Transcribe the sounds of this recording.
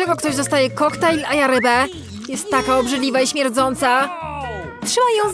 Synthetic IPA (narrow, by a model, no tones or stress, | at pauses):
ɛɡɔkt̪ɔʑd̪ɔst̪ajɛkɔxt̪ailajaɾɛbɛ | jɛst̪ːakaɔbʐɛd̪lʲivaiɕmʲjɛɾd̪zɔnt̪sa | tʂɘmajɔ̃w̃